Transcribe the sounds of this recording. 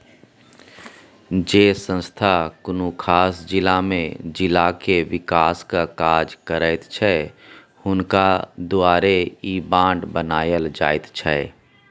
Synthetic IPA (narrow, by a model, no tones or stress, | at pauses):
d͡ʒeːsə̃nst̪ʰakʊnukʰaːsd͡ʒɪlamẽd͡ʒɪlakeʋɪkaːskakaːd͡ʒkəɾəɪt̪t͡ʃʰɛ | hʊnkad̪uaːɾeibãːɳɖbənaːjəld͡ʒaːɪt̪t͡ʃʰɛː